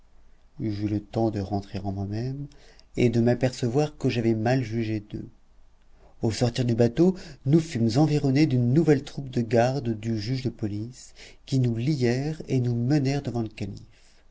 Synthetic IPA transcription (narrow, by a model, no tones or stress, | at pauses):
ʒylət̪ɑ̃d̪əʁɑ̃t̪χeʁɑ̃mwamɛmed̪əmapɛʁsəvwaʁkəʒavɛmalʒyʒed̪ø̰ | osɔʁt̪iʁd̪ybat̪onufymzɑ̃viʁɔned̪ynːuvɛlt̪χupd̪əɡaʁd̪d̪yʒyʒd̪əpɔliskʲinulijɛʁenumənɛʁd̪əvɑ̃ləkalḭf